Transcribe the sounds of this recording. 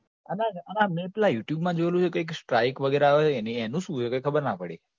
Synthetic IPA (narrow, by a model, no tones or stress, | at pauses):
anaanamẽpɛlajuʈjubmãd͡ʒoelũt͡ʃʰekəjksʈɾajkʋəɡeɾeaʋeeːnienũʃũt͡ʃʰekəjkʰəbəɾnapəɽi